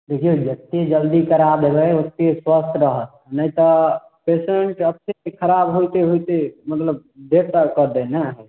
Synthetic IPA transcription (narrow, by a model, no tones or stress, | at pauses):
d̪ekʰijod͡ʒət̪ːed͡ʒəld̪ikəɾad̪ebɛot̪̚keswəst̪ʰɾəɦət̪̚ | nəjt̪ɔ | peseɳʈəpnekʰəɾabɦojt̪eɦojt̪emət̪ləb | d̪eɾt̪akəɾd̪ɛnɛɦɛ